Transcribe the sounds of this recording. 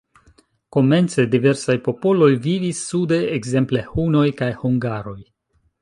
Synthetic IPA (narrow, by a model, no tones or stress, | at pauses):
ko̞me̞nt͡se̞dive̞ɾsajpo̞po̞lo̞jvivisːude̞ːɡze̞mple̞huno̞jkajhuŋɡaɾo̞j